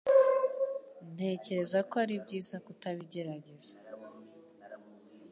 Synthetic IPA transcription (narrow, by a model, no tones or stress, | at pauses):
n̥he̞ce̞ɾe̞zakoaɾibɟiːzakutaβiɟe̞ɾaɟe̞z̥ḁ